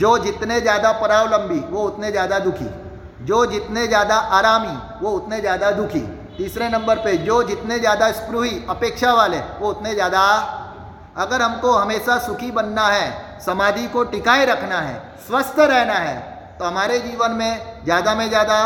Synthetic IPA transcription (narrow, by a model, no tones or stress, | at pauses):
d͡ʒoːd͡ʒɪt̪nezjaːd̪apɐɾaːʋlɐ̃mbʱiʋoʊt̪nezjaːd̪ad̪ʊkʰḭː | d͡ʒoːd͡ʒɪt̪nezjaːd̪aʔaːɾaːmi | ʋoʊt̪nezjaːd̪ad̪ʊkʰḭ | t̪iːsɾenɐ̃mbəɾped͡ʒoːd͡ʒɪt̪nezjaːd̪aɪspɾʊɦiɐpeːkʃaʋaːleʋoʊt̪nezjaːd̪a | ɐɡəɾɦɐmkoɦɐmeːʃasʊkʰibɐnːaɦɛ | sɐmaːd̪ʱikoʈɪkaːeɾɐkʰnaɦɛ̰ː | swɐst̪ʰɾɛɦnaɦɛː | t̪oɦɐmaːɾed͡ʒiːʋənmẽd͡ʒjaːd̪amẽd͡ʒjaːd̪a